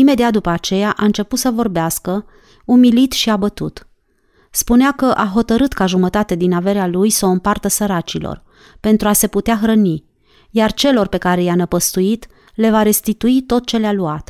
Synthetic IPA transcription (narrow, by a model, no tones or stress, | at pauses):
ime̞d̪iat̪̚d̪upəat͡ʃe̞jaʔaɨnt͡ʃe̞put̪səvo̞rbeaskə | umilit̪ʃiabət̪ṵt̪ | spuneakəʔaɦo̞t̪əɾɨt̪kaʒumət̪at̪ed̪inave̞ɾealujsəoɨmpart̪əsəɾat͡ʃilo̞̰r | pe̞nt̪ɾuase̞put̪eaxɾəni | jart͡ʃe̞lo̞rpe̞kaɾe̞janəpəst̪uit̪ | le̞vaɾe̞st̪it̪uit̪o̞t̪̚t͡ʃe̞lealuat̪